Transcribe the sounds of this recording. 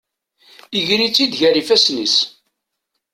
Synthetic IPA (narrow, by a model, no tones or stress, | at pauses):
iʝɾit͡sːid̪ʝæɾifæsnis